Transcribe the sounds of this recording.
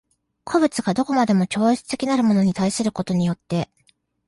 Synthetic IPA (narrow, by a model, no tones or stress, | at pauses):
kʰo̞bɯ̟t͡sɨɡad̪o̞ko̞mad̪e̞mo̞kʲo̞ːit͡sɨ̥t̪e̞kʲinaɾɯ̟mo̞no̞ɲ̟it̪aisɨɾɯ̟ko̞t̪o̞ɲ̟ijo̞t̪ːe̞